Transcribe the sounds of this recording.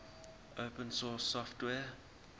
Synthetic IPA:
ʔopə̃nsɔsːɔftwɛː

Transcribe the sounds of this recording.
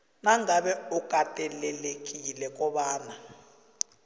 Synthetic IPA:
naŋaɓɛukʼatʼɛlɛlekʼilɛk̬ʼɔɓaːna

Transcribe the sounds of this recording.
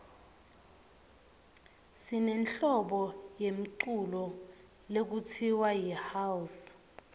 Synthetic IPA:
sinɛnɬɔɓɔjem̩ǀulɔ | lek̬utʰiwajihawus

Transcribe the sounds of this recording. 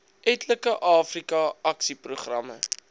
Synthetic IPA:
ʔɛtləkəʔɑːfrikɐɐksipruχrɐ̰mə̰

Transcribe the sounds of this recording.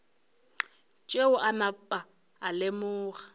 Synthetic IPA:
t͡ʃʼeʊʔanapʼaː | lɪmʊːɣḁ

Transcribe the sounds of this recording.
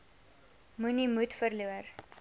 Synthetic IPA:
munimutfərluər

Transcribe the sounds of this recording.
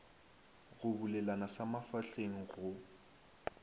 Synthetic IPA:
ɣʊbulɛlanasamafaɬeŋ̩ɣʊ

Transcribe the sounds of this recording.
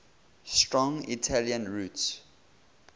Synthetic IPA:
stɹɔ̃ŋḭtʰaljə̃nɹuts

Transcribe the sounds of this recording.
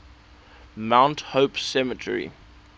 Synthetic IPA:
mãʊ̃nthoʊpsɛmətʰə̰ɹḭ

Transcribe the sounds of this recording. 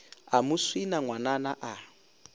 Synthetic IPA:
amuswinaŋwananaʔa

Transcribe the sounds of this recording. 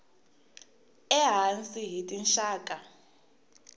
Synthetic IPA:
ɛɦant͡sʼiɦitʼinʃaːkʼa

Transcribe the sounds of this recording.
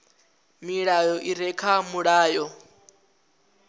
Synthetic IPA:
miɺajɔʔiɾɛkʰamuɺaːjɔ

